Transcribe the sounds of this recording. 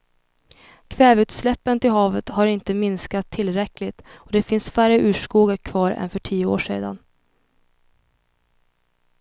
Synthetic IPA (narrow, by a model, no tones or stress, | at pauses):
kʰvɛːvʉ̟ːt̪slɛpːənt̪ɪlɦɑːvət̪haɾɪnt̪əmɪnskat̪ʰːɪlːɾɛklɪt̪ɔd̪ɛfɪnsfæɾəʔʉ̟ːʂkuːɡakʰvɑːɾɛ̰nfœʈʰiːəo̰ːʂḛːd̪a̰n